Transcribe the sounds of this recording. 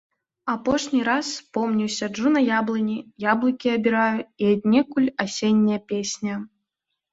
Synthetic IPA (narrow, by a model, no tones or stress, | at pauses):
apɔʂnʲiɾasːpɔmnʲiwsʲɐd͡ʐunɐjablˠɨnʲijablˠɨkʲiɐbʲiɾajuiad̪ʲnʲɛkulʲasʲenʲːɐjɐpʲesʲnʲɐ